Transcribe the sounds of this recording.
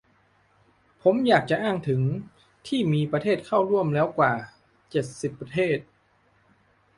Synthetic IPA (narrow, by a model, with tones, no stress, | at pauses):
pʰo˩˦mjaː˨˩k̚t͡ɕa˨˩ʔaː˥˩ŋt̪ʰɯ˩˦ŋ | t̪ʰiː˥˩miː˧pɾa˧t̪ʰeː˥˩t̪̚kʰa˥˩wɾu˥˩əmlɛː˦˥wkwaː˨˩ | t͡ɕe˨˩t̪̚si˨˩pːɾa˧t̪ʰeː˥˩t̪̚